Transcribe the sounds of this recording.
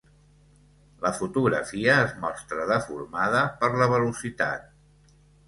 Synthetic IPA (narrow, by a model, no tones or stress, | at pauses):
ləfut̪uɣɾə̰fiəːzmɔst̪ɾəðəfṵɾmaðəpəɾləβ̞əlusit̪a̰t̪̚